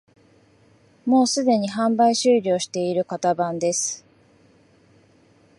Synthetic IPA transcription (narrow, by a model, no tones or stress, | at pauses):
mo̞ːsɨd̪e̞ɲ̟iɦãmbaiɕɨːɾʲo̞ːɕi̥t̪e̞iɾɯ̟kat̪abãnd̪e̞sɨ̥